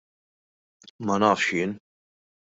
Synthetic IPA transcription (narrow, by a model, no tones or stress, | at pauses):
mɐnɐːfʃɪːn